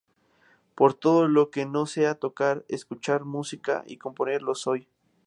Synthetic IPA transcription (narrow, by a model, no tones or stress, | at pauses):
po̞ɾt̪o̞ðolokeno̞se̞at̪o̞kaɾḛskut͡ʃaɾmusika̰ʔḭko̞mpo̞ne̞ɾlo̞soj